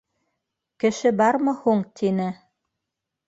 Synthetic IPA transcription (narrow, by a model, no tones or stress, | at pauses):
kɘ̆ʃɘbɑɾmɤ̆huɴt̪ʰinɘ